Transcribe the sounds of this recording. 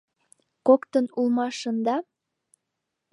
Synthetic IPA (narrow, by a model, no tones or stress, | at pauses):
kokt̪ənulˠmɑʃənd̪ɑ